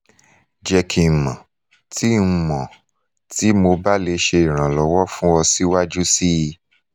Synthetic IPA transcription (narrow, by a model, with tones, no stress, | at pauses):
d͡ʒɛ˧kʰi˨mã˨ | tʰi˦˧mɔ̃˨ | ti˨˦mo˧ba˦le˨˦ʃe˧i˨ɾ̃ã˨lɔ˨˦wɔ˦fũ˦ɔ˧si˦wa˦d͡ʒu˦si˦i˧